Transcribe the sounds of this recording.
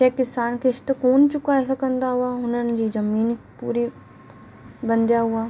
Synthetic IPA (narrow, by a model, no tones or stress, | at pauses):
ɛkɪsaːnkɪʃt̪koːnt͡ʃʊkaɛsakə̃nd̪aɦʊaɦʊnənd͡ʒiːzɐmiːnpuːɾi | bɐ̃nd̪jaɦʊaː